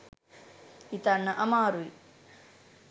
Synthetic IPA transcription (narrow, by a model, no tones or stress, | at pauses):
it̪ɐnːɐʔɐmaːɾui